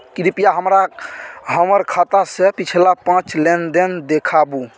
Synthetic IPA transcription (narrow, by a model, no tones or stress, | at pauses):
kɾipijaɦəmɾaɦəməɾkʰat̪asepit͡ʃʰlapãt͡ʃlend̪end̪ekʰabu